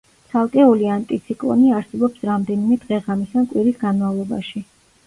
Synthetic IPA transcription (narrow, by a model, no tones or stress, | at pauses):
t̪sʰalˠkʼɛuliant̪ʼit̪sʰikʼlˠɔ̰niaɾsɛbɔpsɾamd̪ɛnimɛd̪ʁɛʁamisankʼwiɾisɡanmavlˠɔba̰ʃi